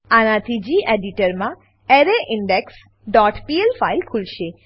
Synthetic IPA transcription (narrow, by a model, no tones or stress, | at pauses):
anãt̪ʰid͡ʒiʔeɖiʈəɾmã | eɾeʔiɳɖeks | ɖɔʈpielfajlkʰulʃe